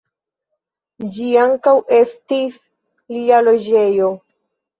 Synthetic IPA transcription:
d͡ʒiaŋkawʔe̞stis | lialo̞d͡ʒe̞jo̞

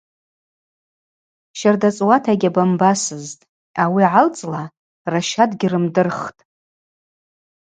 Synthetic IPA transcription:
ʃardat͡sʼwatʰaɡʲabambasɨztʼ | awiʕalt͡sʼla | raʃadɡʲɪrɨmdɨrχtʼ

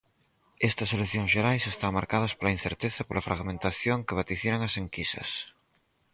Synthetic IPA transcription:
ɛst̪ɐseleθjõŋsʃeɾajsest̪aŋmaɾkað̞ɐspolɐin̟θeɾt̪eθɐpolɐfɾaɣmẽnt̪aθjoŋkeβat̪iθjeɾaŋɐseŋkisɐ̰s

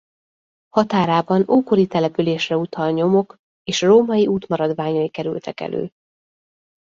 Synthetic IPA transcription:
hɒt̪aːɾaːbɒnuːkoɾit̪ɛlɛpyleːʃrɛut̪ʰɒlɲo̞mo̞k | eːʃroːmɒjiʔuːt̪mɒɾɒd̪ʋaːɲɒikɛɾy̰lt̪ʰɛkɛ̰lʔø̰ː

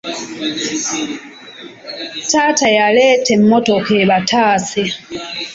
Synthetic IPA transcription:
taːtajaleːtem̩motokeβatʰaːse

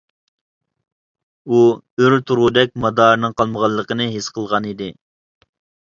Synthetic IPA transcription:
u | øɾt̪ʰuɾud̪ɛk̚ʲmɑd̪ɑːɾnɨŋqɑlˠməʁɑlˠːəqənɨɦesqʰəlˠʁɑnid̪ɪ

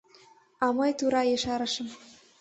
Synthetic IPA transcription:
ɑməjt̪uɾɑjeʃɑɾə̆ʃə̆m

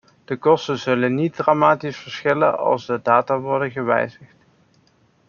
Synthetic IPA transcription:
d̥əkɔstəzɵlənit̚dramaːtisfəɹsχɪlə̰nɑ̰lˠzdədaːtaʋɔɹdəɣəʋɛ̰jzəχt

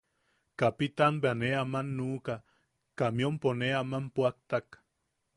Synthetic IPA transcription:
kapit̪anbeaneamanːuːka | kamiomponeamampuak̚t̪ak

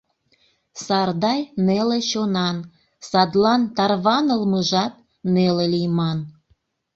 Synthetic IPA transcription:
sɑrd̪ɑjneleɕonɑn | sɑd̪lɑnt̪ɑrβɑnəlməʒɑt̪̚ | nelelijmɑn

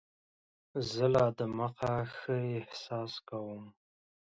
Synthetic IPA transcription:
zəlɑd̪əməqaxəɪhsɑskawəm

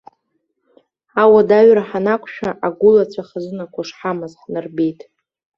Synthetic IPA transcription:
awadaɥɾaħanakʷʰʼʃᶣaʔaɡʷʊlat͡ɕʷʰaχazɨnakʷʰaʂħamazħnɨrbe̞jtʼ

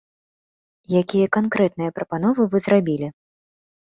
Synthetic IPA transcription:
jakʲijɐkankɾɛt̪nɨjɐpɾɐpanɔvɨvɨzrabʲilʲi

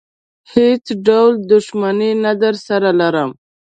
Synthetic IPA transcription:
het͡sɖawld̪ʊʃmaninad̪əɾsaɾalaɾəm

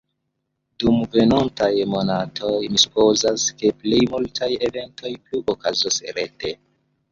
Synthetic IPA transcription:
dumve̞nontajmo̞natʰo̞jmisu̥po̞zaske̞plejmultʰaje̞ve̞nto̞jpluʔokazosɾe̞te̞

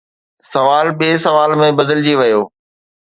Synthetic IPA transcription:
sɐʋaːlɓiːsɐʋaːlmẽbɐd̪əld͡ʑiʋɐjoː

